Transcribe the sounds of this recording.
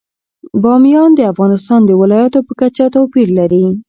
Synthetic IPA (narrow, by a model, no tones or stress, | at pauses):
bɑmjɑnd̪əafɣɑnɪst̪ɑnd̪əwɪlɑjat̪opəkat͡ʃat̪apiɾlaɾi